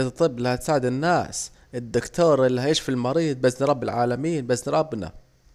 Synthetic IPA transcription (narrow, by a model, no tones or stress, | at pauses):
t̪ˤːɨbːlahat̪saːʕɪd̪ɪnːaːs | ɪd̪ːʊkt̪oːɾˤʔɪlːiɦajɪːʃfilmɑɾiːd̪̚ˤbasnɾˤɑbːɪlʕaːlamiːnbasnɾˤɑbːna̰